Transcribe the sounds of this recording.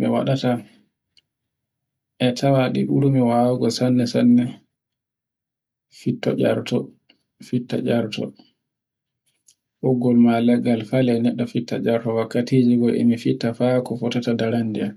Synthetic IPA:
mɛ̰wa̰ɗata | ʔɛtʰawaɗiɓuɾumiwawaɡɔsanːɛsanːɛ | fitːɔ̰d͡ʒa̰ɾtɔ | fitːa̰d͡ʒaɾtɔ̰ | ʔɔɡːɔlmalɛɡalfalɛnɛɗːɔfitːa̰d͡ʒaɾtɔwakːatiːd͡ʒiɡɔʔɛ̰mifitːafakɔfɔtatadaɾandia

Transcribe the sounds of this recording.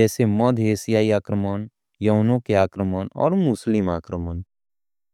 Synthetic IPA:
ɛːsemɔd̪ʱeːsijaːiaːkɾəmən | jɐɦnõkeaːkɾəməːnɔ̰ːɾmʊslɪmaːkɾəmən

